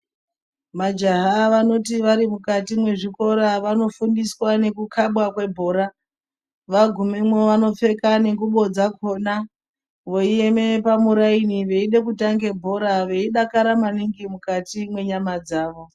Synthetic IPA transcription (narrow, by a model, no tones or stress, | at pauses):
mad͡ʒaɦaʋano̞tiʋaɾimukatimwe̞ʐiko̞ɾaʋano̞fundiswane̞kukʰaɓwakwe̞bʱo̞ːɾa | ʋaɡʱumemwoʋano̞fe̞kane̞ŋɡuɓo̞d͡zako̞na | ʋoieme̞pamuɾainiʋe̞iɗekutaŋɡe̞bʱo̞ɾaʋe̞iɗakaɾamaniŋɡimukatimwe̞ɲamad͡zaːʋo̞